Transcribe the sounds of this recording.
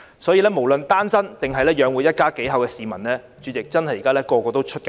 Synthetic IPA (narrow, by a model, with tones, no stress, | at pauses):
sɔː˨˥jiː˧lɛː˥mo˨˩wlɵ˨nt̪aː˥nsɐ˥nt̪ɪ˨ŋɦɐ˨jlɛː˥jœː˨˧ŋwuː˨˧jɐ˥t̚kaː˥ke˨˥jɦɐ˨wkɛː˧siː˨mɐ˨˩nlɛː˥ | t͡ʃyː˨˧t͡sɪ˨k̚t͡sɐ˥nɦɐ˨jːiː˨kaː˥lɛː˥kɔː˧kɔː˧t̪o˥wt͡ʃʰɵ˥t̚ka˧